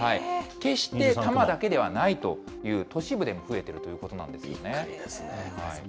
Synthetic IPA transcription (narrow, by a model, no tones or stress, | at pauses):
haike̞ɕi̥t̪e̞t̪amad̪ake̞d̪e̞β̞anait̪o̞ | jɯ̟ːt̪o̞ɕibɯ̟d̪e̞moɸɯ̟e̞t̪e̞ɾɯ̟t̪o̞jɯ̟ːko̞t̪o̞nã̰nd̪e̞sɨ̰jo̞̰nesehai